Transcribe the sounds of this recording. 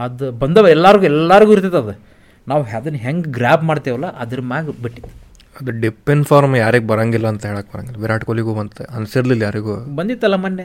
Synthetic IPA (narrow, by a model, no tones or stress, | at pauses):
ɐd̪ubɐnd̪ɐʋɛlːaːɾɡuːɛlːaːɾiɡuːiɾt̪id̪ɐd̪u | naːʋɦad̪ɐnːɦeŋɡɡɾaːbmaːɖt̪iʋɐlːɐʔɐd̪ɐɾmaːɡbiʈːid̪u̥ | ɐd̪uɖipːenɖfʰaːɾmjaːɾiɡbɐɾaːŋɡilːɐːnt̪ɐɦeːɭaːk̚bɐɾa̰ːŋɡilːɐʋiɾaːʈkoliɡuːbɐnt̪eɐnɐsiɾlilːɐjaːɾiɡuːbɐnd̪it̪ːɐlːɐmɐnːe